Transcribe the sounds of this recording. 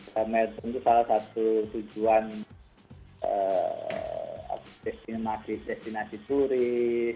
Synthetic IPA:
əmɛlt̪ɔnt̪usalahsat̪ut̪ud͡ʒuan | ə̰ | a̰d̥est̪imasidest̪inasit̪uɾi

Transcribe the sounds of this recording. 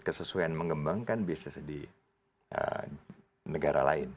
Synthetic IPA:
kəsəsuaanməŋɡəmbaŋkanbiasɪsdi | ʔə̰ | nəɡaɾa̰la̰ɪn

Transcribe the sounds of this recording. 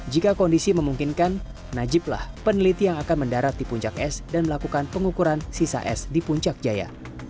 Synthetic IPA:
d͡ʒikakɔndisiməmuŋkinkanː | ad͡ʒɪp̚la̰hpənəlit̪ijaŋakanməndaɾat̪̚dipuɲt͡ʃakɛsdanməlakukanpəŋukuɾansisa̰ʔɛ̰sdipuɲt͡ʃak̚d͡ʒaja̰

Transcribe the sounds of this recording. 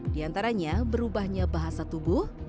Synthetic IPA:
diant̪aɾaɲabəɾubahɲabaɦasat̪ubʊh

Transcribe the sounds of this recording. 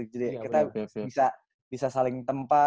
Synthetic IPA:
k̚d͡ʒadikit̪abisa | bisasalɪŋt̪əmpa

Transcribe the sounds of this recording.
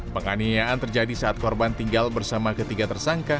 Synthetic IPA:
pəŋaniaant̪ərd͡ʒadisaat̪̚kɔrbant̪iŋɡalbərsamakət̪iɡat̪ərsaŋka

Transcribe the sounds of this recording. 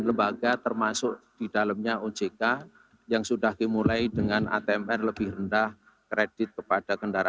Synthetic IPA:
nləmbaɡat̪ərmasʊkd̥idalamɲaod͡ʒeka | jaŋsudahɡimulaidəŋana̰t̪eɛmɛrləb̥ɪhrəndah | kɾed̥ɪt̪̚kəpad̥akəndaɾa

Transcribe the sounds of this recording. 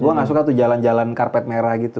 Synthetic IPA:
ɡuaŋas̬ukat̪ud͡ʒaland͡ʒalankarpɛt̪̚meɾahɡit̪u

